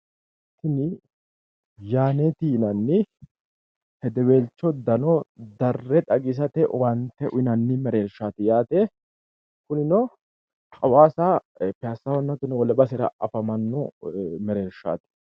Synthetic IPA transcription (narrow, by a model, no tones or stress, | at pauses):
t̪ːɪnɪ | jaːnet̪iːnɐnːɪ | hɛd̪ɛweːlt͡ʃːɔd̪ɐnɔd̪ɐrːɛt̪ʼɐɡɪs̬ɐt̪ɛwɐnt̪ːɛʔʊɪnɐnːɪmɛɾeːɾʃaːt̪ɪjaːt̪ɛ | kʊnɪnɔ | kʼɐwaːsa | pɪasːɐwɔnːɐt̪ʊnɪwɔlɛbɐsɛɾɐ̰ʔɐfɐmɐnːɔmɛɾeːɾʃa̰ːt̪ɪ̥